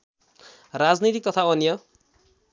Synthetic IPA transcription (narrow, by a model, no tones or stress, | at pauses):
rad͡znit̪ik̚t̪ʌt̪ʰaʌnjʌ